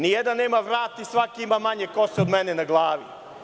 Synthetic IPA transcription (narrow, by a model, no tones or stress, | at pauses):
nijed̪annːeːmaʋɾaːt̪isʋakiimamaɲekoseod̪menenaɡlˠaːʋḭ